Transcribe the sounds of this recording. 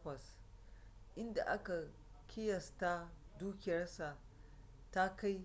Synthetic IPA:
kʷɐ˨s | ʔɪ˦nda̰˨ʔa˦ka˨ | kʲʰɪ˦jɐ˨sta˦duː˦kʲɪ˨jɐ˦rsa˨ | ta˦ka˦j

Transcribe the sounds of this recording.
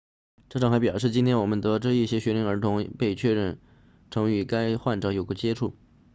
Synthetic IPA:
ʈ͡ʂɤ˥˩ʈ͡ʂʰɑ˨˩ŋxp̬jɑ˨˩ʊʂɻ̩˥˩t͡ɕi˥nt̪ʰjɛ˥nwɔ˨˩mə˦nt̪ɤ˧˥ʈ͡ʂɻ̩˥˧i˥˩ɕjɛ˥ɕɥɛ˧˥li˧˥ŋə˞˧˥t̪ʰʊ˧˥ŋpe˥˧ɪt͡ɕʰɥɛ˥˧ɻə˥˩n | ʈ͡ʂʰɤ˧˥ŋy˧˥ka˥ɪxwa˥˩nʈ͡ʂɑ˧˥ʊjo˨˩ʊɡə˧˥t͡ɕjɛ˥ʈ͡ʂʰu˥˩

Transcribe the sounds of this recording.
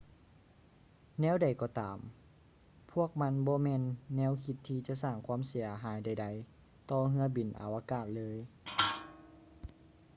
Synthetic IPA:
nɛː˧˥˨wda˨˩jkɔː˧˦t̪aː˨˦m | pʰu˧˥˩ək̚ma˧˥˨nbɔː˧˦mɛː˧˥˨nːɛː˧˥˨wkʰi˧t̪ʰːiː˧t͡ɕa˧˨saː˧˩ŋkʰwa˧˥˨msi˨˦ɐɦaː˨˦jda˧˩jda˧˩j | t̪ɔː˧ɦɯ˧ɐbi˨˩nʔa̰˨˩wʔa˧kaː˧˩t̪̚lɤː˧˥˨j

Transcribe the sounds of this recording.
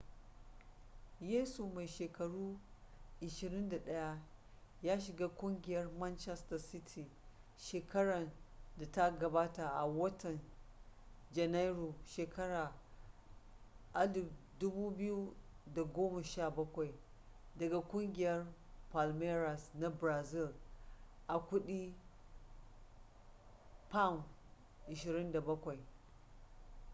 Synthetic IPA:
jeː˦su˨ma˨jʃeː˨kɐ˨ɽuː˦ʔɪ˨ʃɪ˨ɾɪ˦nda˨ɗɐ˦ja˦ | jaː˦ʃɪ˨ɡaː˦kʷʊ˦ŋɡʲɪ˨jɐ˦rmɐ˦nt͡ʃɛ˦stɐ˨sɪ˦tʰi˨ | ʃeː˨kʰɐ˦ɽɐ˨nda˨ta˦ɡɐ˨baː˦ta˨ʔa˨wɐ˦tɐ˨n | d͡ʒɐ˨na˦jɾu˨ʃeː˨kɐ˦ɽaː˨ | ʔa˦lu˨du˦bu˦bi˦ju˦da˨ɡoː˦ma˨ʃa˦˨bɐ˦kʷa˨i˨ | dɐ˨ɡa˨kʷʊ˦ŋɡʲɪ˨jɐ˦ɾ | pa˨lme˦ɾa˨sna˦bɾa˨zi˦l | ʔa˨kʷu˦ɗi˦ | pa˦˨m | ʔɪ˨ʃɪ˨ɾɪ˦nda˨bɐ˦kʷa˨i˨

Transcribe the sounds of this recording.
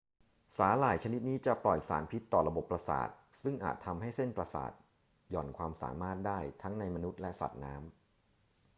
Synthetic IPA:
saː˩˦laː˨˩jt͡ɕʰa˧ni˦˥t̪̚niː˦˥t͡ɕa˨˩plɔ˨˩jsa̰ː˩˦npʰi˦˥t̪ːɔː˨˩ɾa˧bo˨˩pːɾa˧sa̰ː˨˩t̪̚sɯ˥˩ŋʔa̰ː˨˩t̪ʰːa˧mɦa˥˩jse˥˩npɾa˧sa̰ː˨˩t̪̚ | jɔ̰ː˨˩nkʰwaː˧msa̰ː˩˦maː˥˩t̪̚daː˥˩jt̪ʰa˦˥ŋna˧jma˧nu˦˥t̪̚lɛ˦˥sa̰˨˩t̪̚naː˦˥m

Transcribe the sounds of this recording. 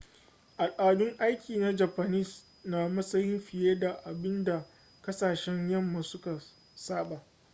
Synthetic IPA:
ʔa˨lʔaː˨dʊ˦ŋʔa˦jkʲʰiː˨na˦d͡ʒa˨pa˨nɪ˦˨s | na˦mɐ˦sɐ˦jɪ˦mɸɪ˨jeː˦da˨ʔa˨bɪ˦nda˨ | kɐ˦saː˨ʃɛ˦ɲjɐ˦mːa˨sʊ˦ka˨ | saː˦ɓa˨ʔ

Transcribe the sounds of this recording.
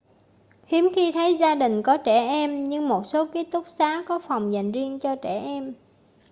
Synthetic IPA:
hi˨˦əmxi˧t̪ʰə˨˦jzaː˧ɗï˨˩ŋ̟kɔ˨˦t͡ɕɛ˧˩ʔɛ˧mɲɨ˧ŋmo˨˩t̚so˨˦ki˦˥ət̚t̪ʊ˦˥k͡p̚saː˨˦kɔ˨˦fa˨˩wŋ͡mza̰˨˩jŋ̟zi˧ənt͡ɕɔ˧t͡ɕɛ˧˩ʔɛ˧m

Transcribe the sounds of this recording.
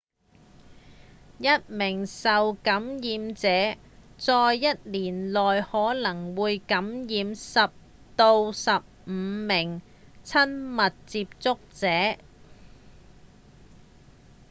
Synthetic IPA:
jɐ˥t̚mɪ˨˩ŋsɐ˨wkɐ˨˥mjiː˨˧mt͡sɛː˨˥ | t͡sɔː˨˧jːɐ˥t̚liː˨˩nlɔː˨jhɔː˨˥lɐ˨˩ŋwuː˨˧jkɐ˨˥mjiː˨˧msɐ˨p̚ | t̪o˧wsɐ˨p̚m̩˨˦mɪ˨˩ŋ | t͡sʰɐ˥nmɐ˨t̚t͡siː˧p̚t͡sʊ˥k̚t͡sɛː˨˥

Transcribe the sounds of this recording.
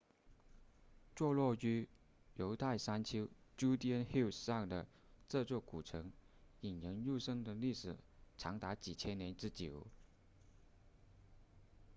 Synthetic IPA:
t͡swɔ˥˧lwɔ˥˩y˥ | jo˧˥ʊt̪ʰa˥˩ɪsa˥nt͡ɕʰi˥ʊt͡ɕu˥t̪jɛ˥nxi˥˩ʊsʂɑ˥˩ŋd̪ə̰˩ | t͡sɤ˥˧t͡swɔ˥˩ku˨˩ʈ͡ʂʰɤ˧˥ŋ | i˨˩njə˧˥ŋju˥˧ʂɤ˥ŋd̪ə˨li˥˩ʂɻ̩˨˩ʈ͡ʂʰɑ˧˥ŋt̪a˧˥t͡ɕi˨˩t͡ɕʰjɛ˥nnjɛ˧˥nʈ͡ʂɻ̩˥˩t͡ɕji˨˩˦ʊ

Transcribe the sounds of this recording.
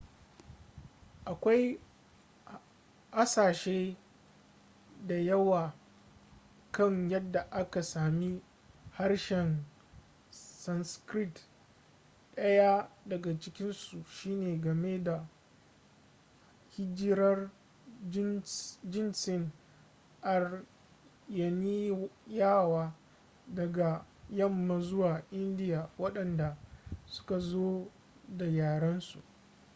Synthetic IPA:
ʔa˨kʷa˦j | ʔa˦saː˨ʃeː˦ | da˨jɐ˦waː˨ | kɐ˦ŋjɐ˦dːa˨ʔa˦ka˨saː˨mi˦ | ha˦rʃɛ˨n | sɐ˦nskɾɪ˦t | ɗɐ˦ja˦dɐ˨ɡa˨t͡ʃɪ˦kʲɪ˦nsu˨ʃiː˦neː˨ɡɐ˨me˦da˨ | hɪ˦d͡ʒɪ˦ɾɐ˦r | d͡ʒɪ˦nt͡ʃɪ˦n | ʔa˨r | jɐ˨ni˦jaː˦˨waː˦ | dɐ˨ɡa˨jɐ˦mːa˨zʊ˦waː˨ʔɪ˦ndɪ˦jaː˨wɐ˦ɗɐ˨nda˨sʊ̥˦ka˨zoː˦ | da˨jaː˨ɽɐ˦nsṵ˨ʔ

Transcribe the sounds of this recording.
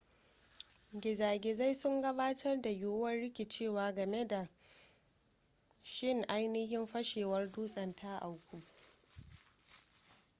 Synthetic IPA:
ɡʲɪ˨zaː˨ɡʲeː˨za˦jsʊ˦ŋɡɐ˦baː˦tʰɐ˦rda˨ju˦wɐ˦nɽɪ˦kʲe˨t͡ʃeː˦˨waː˨ɡɐ˨me˦da˨ | ʃɪ˦˨ŋʔa˦jnɪ˦hɪ˦mɸɐ˦ʃeː˨wɐ˦rduː˦sʼɐ˨ntʰa˦ʔa˨wkʷu˦

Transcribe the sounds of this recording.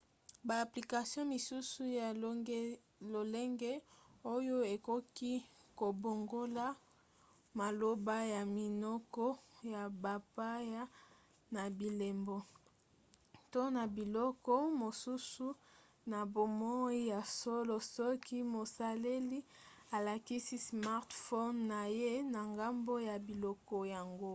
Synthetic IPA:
baː˨pli˨ka˨sjɔ̃˦mi˨su˦su˦ja˨˦ɡ | lo˨le˦ŋɡe˦o˦jo˦e˨ko˦ki˦ko˨bo˨ŋɡo˦la˦ | ma˨lo˦ba˦ja˨mi˨nɔ˦kɔ˦ja˨ba˨pa˦ja˦ | na˨bi˨le˨mbo˨ | to˦na˨bi˨lɔ˦kɔ˦mo˨su˦su˦ | na˨bo˨mo˦i˦ja˨so˦lo˨sɔ˦ki˦mo˨sa˨le˦li˦a˨la˨ki˦si˦sma˦ʁtfo˦nːa˨je˦na˨ŋɡa˦mbo˦ja˨bi˨lɔ˦kɔ˦ja˨ŋɡo˦

